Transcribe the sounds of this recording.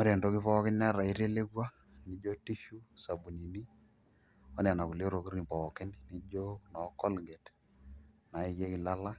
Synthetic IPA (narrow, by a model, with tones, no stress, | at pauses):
ma˦ɾɛ˨ndo˦kɪ˦pɔ˦kɪ˦nn˦a˦ɾa˨i˦ɾe˦le˦ɡwa˦ | nɪ˦d͡ʒo˦ti˦ʃu˦sa˨bu˨ni˨ni˦ | ɔ˦nɛ˨na˨ku˨le˦ɾo˨ki˦ɾnɪ˨pɔ˨kɪ˦nnɪ˦d͡ʒo˦nɔ˨kɔ˦lɡɛ˨t | na˨ɪ˦ke˦kɪ˨la˦la˦